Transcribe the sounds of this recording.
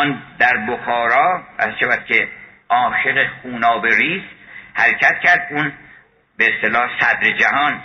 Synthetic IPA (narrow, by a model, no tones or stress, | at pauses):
nd̪æɾboxɒːɾɒːæzʃævæt̪kʰʲe̞ | ʔɒːʃeɣexuːnɒːbeɾiːzhæɾecʰæt̪cʰæɾd̪̚un | beest̪e̞lɒːhsæd̪ɾed͡ʒæhɒːn